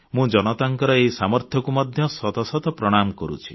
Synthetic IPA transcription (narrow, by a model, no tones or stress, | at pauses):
mũd͡ʒɔñɔt̪aŋkɔɾɔeisamɔɾt̪ʰjɔkumɔd̪ʱjɔsɔt̪ɔsɔt̪ɔpɾɔɽ̃amkɔɾṵt͡ʃʰi̥